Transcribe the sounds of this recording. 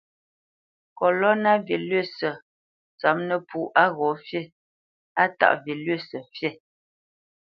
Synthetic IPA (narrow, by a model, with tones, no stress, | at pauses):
kɔ˨lɔ˦na˦ve˨lɥe˦˨sə˨ | t͡sa˨˦mnə˦pʰu˨ʔa˦ɣɔ˨˦fjɛ˦˨ | a˦ta̰˨ʔvje˨lɥe˦˨sə˨fjɛ˦˨